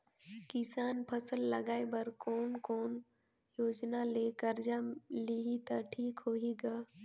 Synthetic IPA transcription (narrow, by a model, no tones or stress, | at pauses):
kɪsaːnpʰəsəlːɐɡaːebɐɾkɔːnkɔːn | joːd͡ʒnaleːkəɾd͡ʒaliɦit̪aʈʰiːkɦoiɡaː